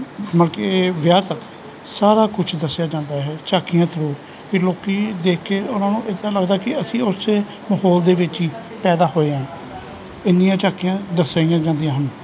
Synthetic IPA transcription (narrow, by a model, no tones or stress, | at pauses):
məlkeʋjaːt̪ək | saːɾaːkʊt͡ʃʰd̪əsːjaːd͡ʒãːnd̪aːɦɛːt͡ʃaːkijãːt̪ʰəɾoː | kɪloːkiːd̪eːkʰːeːʊnãːnũːʔɪd̪ãːləɡd̪aːkɪəsĩːʊseː | məɦoːld̪eːʋɪt͡ʃiː | pɛːd̪aːɦoːeːãː | ɪnːɪjãːt͡ʃaːkijãːd̪əsaːiːãːd͡ʒãːnd̪ijãːɦən